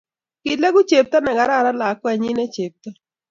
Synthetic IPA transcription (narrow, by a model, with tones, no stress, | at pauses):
kɪ˨la˦ɡu˦t͡ʃe˨p̚t̪ɔ˦nɛ˨ɡa˨ɾa˦˨ɾa˦la˨˦kwɛ˨ɲi˦ne˦t͡ʃe˨p̚t̪ɔ˦